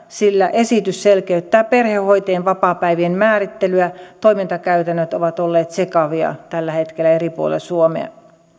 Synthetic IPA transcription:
silːæʔesit̪ysselkeyt̪ːæːperhehoit̪eːnʋɑpɑːpæiʋienmæːrit̪ːelyæt̪oimint̪ɑkæyt̪ænːøt̪oʋɑt̪olːeːt̪sekɑʋiɑ̰t̪ælːæhet̪kelːˑæeripuo̰lḛlsuomḛɑ̰

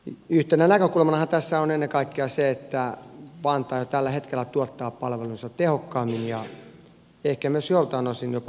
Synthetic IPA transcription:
yht̪enænækøkulmɑnɑhɑnt̪æsːæonenːekɑikːeɑseet̪ːæʋɑnt̪ɑːjot̪ælːæhet̪kelːˑæt̪uɑt̪ːɑːppɑlʋelunsɑtt̪ehokːɑːmːinjɑ | ehkæmyøsjolt̪ɑːnosinjopɑ

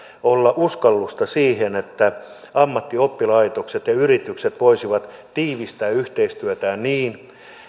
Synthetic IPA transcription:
olːɑʔuskɑlːust̪ɑsiːhenet̪ːæ | ɑmːɑt̪ːiopːilɑit̪okset̪jɑyrit̪ykset̪ʋoisiʋɑt̪t̪iːʋist̪æːyht̪eist̪yøt̪æːnniːn

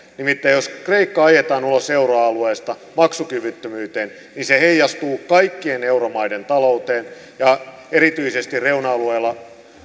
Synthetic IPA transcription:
nimit̪ːæjjoskreikːɑɑjet̪ɑːnuloseuroɑlueːst̪ɑ | mɑksukyʋyt̪ːømyːt̪eːn | ninseheijːɑst̪uːkɑikːieneuromɑident̪ɑlout̪eːn | jɑ | eɾit̪yisest̪irreunɑɑlueːlːɑ

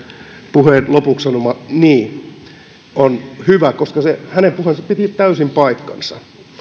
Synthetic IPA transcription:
puheˑnlopukssɑnomɑniː | onhyʋækoskɑsehænempuhensɑpit̪it̪æysimpɑikːɑ̰nsɑ̰

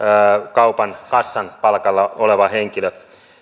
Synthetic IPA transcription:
kɑupɑnkɑsːɑnpɑlkɑlːɑoleʋɑheŋkilø

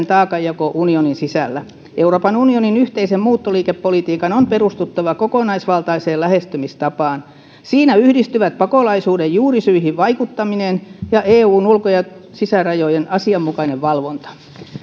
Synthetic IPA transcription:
nt̪ɑːkɑjjɑkoʔunioninsisæ̰lːæ | euroːpɑnunioninyht̪eisemmuːt̪ːoliːkepːolit̪iːkɑnomperust̪ut̪ːɑʋɑkokonɑisʋɑlt̪ɑiseːlæhest̪ymist̪ɑpɑːn | siːnæyhdist̪yʋæt̪̚pɑkolɑisuːdejjuːrisyihiʋʋɑikut̪ːɑminenjɑʔeːuːnulkojɑsisærɑjojenɑsiɑmːukɑineʋʋɑlʋont̪ɑ̥

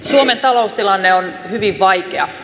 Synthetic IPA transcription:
suoment̪ɑloust̪ilɑnːeonhyʋiʋʋɑjkeɑ

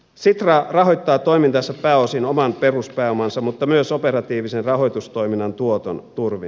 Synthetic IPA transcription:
sit̪rɑrɑɦojt̪ːɑːt̪oimint̪ɑsːɑppæːosinomɑnpe̞ruspæːomɑnsɑmut̪ːɑmyøsopeɾɑt̪iːʋisenrɑɦojt̪ust̪o̞iminːɑnt̪uot̪o̰nt̪urʋin

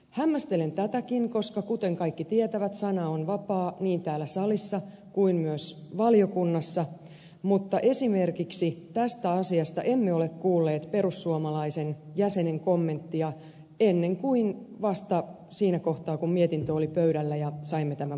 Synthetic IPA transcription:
hæmːæst̪ele̞nt̪æt̪ækinko̞skɑkut̪eŋkɑikːit̪iet̪æʋæt̪sɑnɑonʋɑpɑːniːnt̪æːlːæsɑlisːɑ | kuinmyøsʋɑljo̞kunːɑsːɑ | mut̪ːɑʔe̞sime̞rkiksit̪æst̪æɑsiɑst̪ɑʔe̞mːeo̞le̞kkuːlːe̞ːt̪pe̞ɾusːuomɑlɑisenjæse̞ne̞ŋko̞mːe̞nt̪ːiɑ | e̞nːe̞ŋkuinʋɑst̪ɑ | siːnæko̞ht̪ɑːkummiet̪int̪øolipøyɾælːæjɑsɑimːet̪æmæ

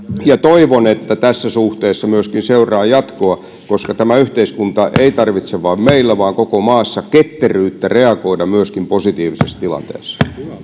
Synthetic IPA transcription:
jɑt̪oiʋonet̪ːæt̪æsːæsuht̪eːsːɑmyøskinseurˑɑːjɑt̪koɑ | koskɑt̪æmæyht̪eiskunt̪ɑʔeit̪ɑrʋit̪seʋɑːmmeilːæʋɑːŋkokomɑːsːɑket̪ːeryːt̪ːæreɑkoidɑmyøskimposit̪iːʋisest̪ilɑ̰nt̪ḛːsː

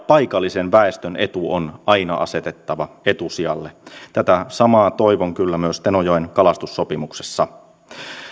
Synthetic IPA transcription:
pɑikɑlːisenʋæest̪ønet̪uonʔɑinɑ̰ʔɑ̰se̞t̪et̪ːɑʋɑet̪usiɑlːet̪æt̪æsɑmɑːt̪oiʋoŋkylːæmyøst̪enojoenkɑlɑst̪usːopimuksesːɑ

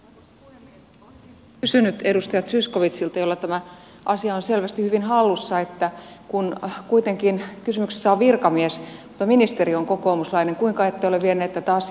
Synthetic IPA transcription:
kysynyt̪e̞dust̪ɑjɑt̪sysko̞ʋit̪silt̪ɑjolːɑt̪æmæ | ʔɑsiɑonse̞lʋæst̪ihyʋinɦɑlːusːɑet̪ːækunkuit̪e̞ŋkinkysymyksesːæoʋʋirkɑmiesmut̪ɑminist̪e̞ɾioŋko̞ko̞ːmuslɑine̞ŋkuiŋkɑet̪ːejoleʋʋenːeːt̪ːæt̪æɑs

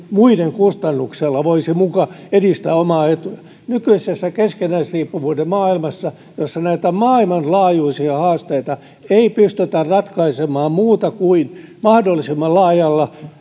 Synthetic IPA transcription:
muideŋkust̪ɑnːukselːɑʋoisimukɑedist̪æːomɑːet̪ujæ | nykyisesːækeskenæisriːpːuʋuːdemmɑːilmɑsːɑ | josːɑnæit̪æmɑːilmɑnlɑːjuisiɑhɑːst̪eit̪ɑ | eipyst̪yt̪ærrɑt̪kɑisemɑːmmuːt̪ɑkuinmɑhdolːisimːɑlɑːjɑlːɑ

